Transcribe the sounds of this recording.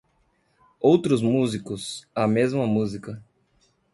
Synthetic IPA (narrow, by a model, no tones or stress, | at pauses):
owt̪ɾʊzmuzikʊsɐmezmɐmuzikɐ